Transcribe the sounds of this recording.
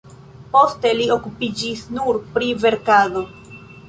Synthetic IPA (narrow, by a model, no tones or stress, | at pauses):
po̞ste̞lio̞kupid͡ʒisnuɾpɾive̞ɾkado̞